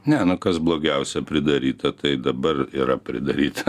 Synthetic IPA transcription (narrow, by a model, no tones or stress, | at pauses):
nʲɛnʊkɐsblˠoːɡʲɛʊsʲɛpʲɾʲɪd̪ɐɾʲiːt̪ɐt̪ɐɪd̪ɐbɐriːɾɐpʲɾʲɪ̰d̪ɐɾʲiːt̪ɐ